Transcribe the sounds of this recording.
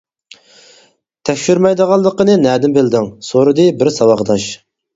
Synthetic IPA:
t̪ʰɛkʲʃyɾmɛjd̪əʁɑlˠːəqənɨnæːd̪ɪmbɪld̪ɪŋsoɾɨd̪ɨbɪɾsɑwɑχd̪ɑʃ

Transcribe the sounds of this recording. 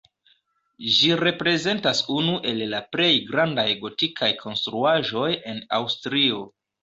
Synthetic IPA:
ʒiɾe̞pɾe̞ze̞ntasunuʔe̞lːaple̞jɡɾandajɡo̞tikʰajkʰo̞nstɾuaʒo̞je̞na̰wstɾio̞

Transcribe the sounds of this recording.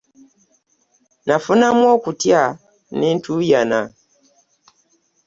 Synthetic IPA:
nafunamwɔkutja | nintʰujana̰

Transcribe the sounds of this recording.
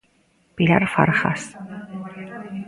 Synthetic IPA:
pilaɾfa̰ɾχa̰s

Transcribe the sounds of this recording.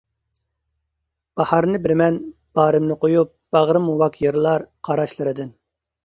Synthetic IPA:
b̥ɑhɑɾnɨbɪɾmɛnb̥ɑːɾɪmnɨqojup̚b̥ɑʁɾɨmuwɑkʰjeɾlˠɑɾqʰɑɾɑʃlˠɨɾɨd̪ɪn

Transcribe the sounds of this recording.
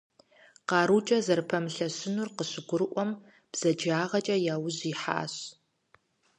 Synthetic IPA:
qɑːɾut͡ʃʼɐzɐrpʰɐmɬɐɕɪnurqəɕɪɡʷʊɾɨʔʷɔm | b̥z̥ɐd͡ʒaːʁɐt͡ʃʼɐjaːwʊʑiːħa̰ːɕ

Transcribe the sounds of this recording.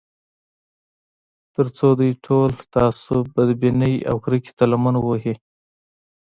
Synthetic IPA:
t̪əɾt͡sod̪ujʈʰolt̪ɑsubad̪binəja̰wkɾiki̥t̪alamanwoɦi

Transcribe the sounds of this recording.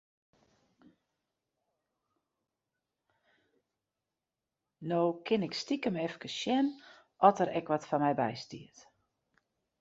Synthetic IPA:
noːkʰɪnɪkstikəmɛfkəsʃjɛn | ʔɔtəɾɛkʋɔtfanmɛjbɛ̰jstḭət

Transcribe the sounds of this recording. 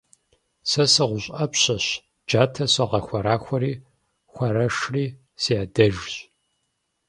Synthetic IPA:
sɐsɨʁʷʊɕʼɐpɕɐɕ | d͡ʒaːtʰɐsɐʁɐxʷɐɾaːxʷɔɾiː | xʷɐɾɐʂriː | sijaːdɐʒɕ

